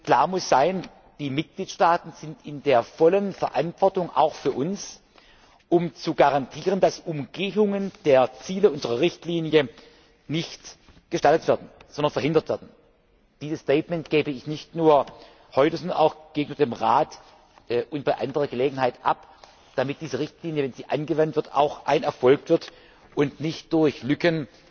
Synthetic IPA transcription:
kl̥aːɐmʊsz̥aɪn | d̥iːmɪt̚ɡ̥liːtʃtaːtn̩z̥ɪntɪndeːɐfɔlənfɛɐʔa̰ntv̥ɔɐtʊŋʔa̰ʊxfyːɐʔʊns | ʔʊmt͡suɡaʁantʰiːʁəndasʊmɡeːʊŋənd̥eːɐt͡siːləʔʊnzəʁɐʁɪçtliːnjə | nɪçt | ɡ̥əʃtaltətv̥ɛɐdn̩z̥ɔndɐnfɛɐɦɪndɐtvɛɐdn̩ | d̥iːzəstɛɪtmɛntɡ̥eːbəɪçnɪçtnuːɐ | hɔʏtəzɔndɐna̰ʊxɡ̥eːɡŋnyːbɐdeːmʁaːt | ʔʔʊnt̚b̥aɪʔa̰ndəʁɐɡəleːɡŋ̩haɪtʔa̰p | d̥amɪt̚d̥iːzəʁɪçtʰliːnjəvɛnziːʔanɡəvantv̥ɪɐta̰ʊxʔa̰ɪnɛɐfɔlkv̥ɪɐt | ʔʊntnɪçt̚d̥ʊɐçlʏkən

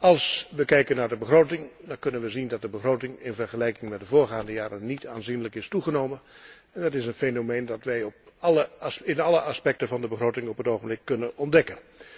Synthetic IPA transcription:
ɑlˠsʋəkɛjkənːaːɹdəbəχroːtɪŋdɑnkɵnənʋəzindɑt̚dəbəχroːtɪŋɪnvɛɹχəlɛjkɪŋmɛt̚dəvʊːɹɣaːndəjaːɾənnːitʰaːnzinləkɪstuɣənoːmən | ɛndɑtɪsənfenomeːndɑtʋɛjɔp̚ɑləsɪnɑləɑspɛk̚təvɑndəbəχrowtɪŋɔpɦətoːɣəmblɪkːɵnənɔndɛkən

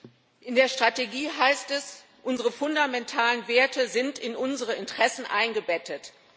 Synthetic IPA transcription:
ʔɪndeːɐʃtʁ̥ateɡiːɦaɪstɛs | ʔʊnzəʁəfʊndamɛntʰaːlənveːɐtəzɪntɪnʔʊnzəʁəɪntʁ̥ɛsn̩ʔa̰ɪnɡəbɛtʰət

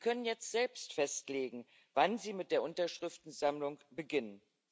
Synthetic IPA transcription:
ikʰœnənjɛt͡stz̥ɛlpstfɛstleːɡŋ̩ | vanziːmɪt̚d̥eːɐʔʊntɐʃʁ̥ɪftn̩zamlʊŋb̥əɡɪnən

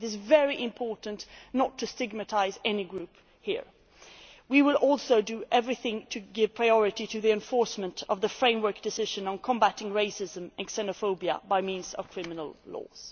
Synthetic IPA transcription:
ɾɨzvɛɹiʔɨ̃mpʰɔɹʔn̩nətʰɨstɪɡ̚mɨtʰaɪzɛniɡɹʉp | hḭɹ | wiwɪlˠʔɔlˠsoʊdɨʔɛvɹiθɪ̃ŋtʰɨɡɪv̥pʰɹ̥aɪɔɹɨɾiɾɨðiɨ̃ɱfɔɹsmə̃ntʰʌvðəfɹẽɪ̃mwə˞k̚d̥ɨsɪʒɨ̃nə̃nkʰə̃mbæɾɪ̃ŋɹeɪsɪzə̃mɨ̃nsɛnɨfoʊbiə̰baɪmĩnzʌ̰v̥kʰɹ̥ɪmɨnl̩ˠlɔ̰z̥

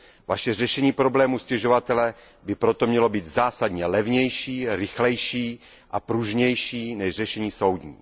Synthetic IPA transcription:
vaʃɛr̝ɛʃɛɲiːpɾo̞blɛːmuscɛʒovat̪ɛlɛ | bɪpɾot̪omɲɛlo̞biːt̪zaːsad̪ɲɛlɛvɲɛjʃiːɾɪxlɛjʃiː | ʔapɾuʒɲɛjʃiːnɛʒrɛʃɛɲiːso̞wd̪ɲḭː

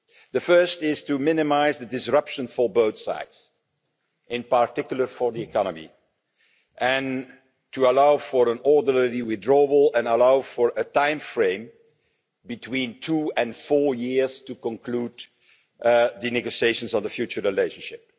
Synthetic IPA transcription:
ðəfɜ˞stɪztumɪnɪmaɪzðədɪsɹʌpʃə̃nfɔ˞boʊθsa̰ɪds | ʔɪ̃npaɹtɪkjʊl̩ˠə˞fɔɹðiɨkʰɑnəmḭ | ʔɨ̃n | tuəlaʊfəɹə̃nɔɹdələɹiwɪθdɹɔəbəlˠɛ̃nəlaʊfɔɹətãɪ̃mfɹẽɪ̃m | bɨtʰwĩntʰuːɨ̃nfɔɹjɪɹz̥tukə̃nkʰluːd | ðɨnɛɡoʃieɪʃə̃nz̃nðəfjut͡ʃəɹɹileɪʃə̃nʃɪp̚

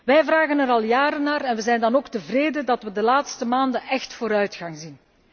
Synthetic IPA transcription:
ʋɛjvraːɣənɛɾɑlˠjaːɾənːaːɾɛnʋəzɛjndɑnoːktəvreːdədɑtʋədəlaːtstəmaːndənʔɛxtfoːɾœɥtxɑŋzin

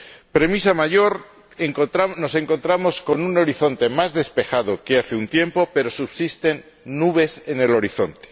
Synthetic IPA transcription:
pɾe̞misamaʝo̞ɾ | eŋɾano̞se̞ŋko̞nt̪ɾamo̞sko̞nuno̞ɾiθo̞nt̪e̞mazðe̞spe̞xað̞okeaθeunt̪je̞mpo̞pe̞ɾo̞suβ̥sist̪e̞nː | uβe̞sene̞lo̞ɾiθo̞̰nt̪e̥

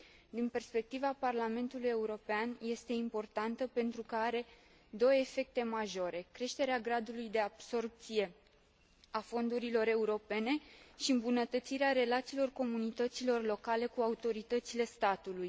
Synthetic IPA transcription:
d̪inpe̞rspe̞k̚t̪ivaparlame̞nt̪uluje̞uɾo̞peanje̞st̪e̞impo̞rt̪ant̪əpe̞nt̪ɾukəaɾe̞ | d̪o̞wefe̞k̚t̪e̞maʒo̞ɾe̞kɾe̞ʃt̪e̞ɾeaɡɾad̪ulujd̪e̞ab̥so̞rp̚t̪sije̞ | afo̞nd̪uɾilo̞ɾe̞uɾo̞pe̞ne̞ʃiɨmbunət̪ət̪siɾeaɾe̞lat̪siːlo̞rko̞munit̪ət̪silo̞rlo̞kale̞kuaut̪o̞ɾit̪ət̪sile̞st̪at̪uluj

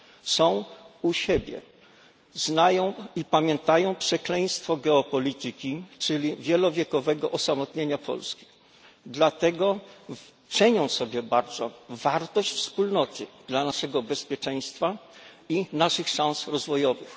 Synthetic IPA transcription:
sɔ̃w̃uɕɛbʲjɛ̰ | znajɔ̃w̃ipamʲjɛnt̪ajɔ̃w̃pʂɛklɛj̃st̪fɔɡɛɔpɔlʲit̪ɘkʲit͡ʂɘlʲivʲjɛlɔvʲjɛkɔvɛɡɔʔɔsamɔt̪ɲeɲapʰɔ̰lskʲi̥ | d̪lat̪ɛɡɔ | t͡ʂɛɲɔ̃w̃sɔbʲjɛbaɾd̪zɔvaɾt̪ɔɕt͡ɕfspulnɔt̪ɘ̰d̪̥lanaʂɛɡɔbɛspʲjɛt͡ʂɛj̃st̪fa | inaʂɘxʂãñsɾɔzvɔjɔvɘx

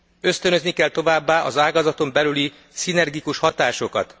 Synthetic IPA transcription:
ø̞st̪ø̞nøznikɛlt̪o̞vaːbːaːʔɒzaːɡɒzɒt̪o̞mbɛlyli | sinɛrɡikuʃhɒt̪aːʃo̞kɒ̰t̪

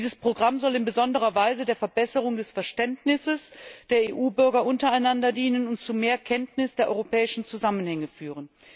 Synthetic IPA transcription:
iːzəspʁ̥oɡʁamzɔlɪnbəzɔndəʁɐvaɪzədeːɐfɛɐbɛsəʁʊŋdɛsfɛɐʃtɛntnɪsəsd̥eːɐeːʔuːbʏɐɡɐʔʊntɐaɪnandɐdiːnənʊntt͡sumeːɐkʰɛntnɪsd̥eːɐʔɔʏʁopɛːɪʃn̩t͡suzamənhɛŋəfyːʁ̞ən

